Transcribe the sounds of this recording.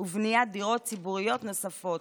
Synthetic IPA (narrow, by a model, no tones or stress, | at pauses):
uvniad̪iʁot̚t͡sibuʁijot̪nosafot̪